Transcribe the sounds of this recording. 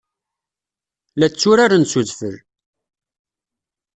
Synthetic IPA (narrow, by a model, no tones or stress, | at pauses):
læt͡sːʊɾaɾansuðfəl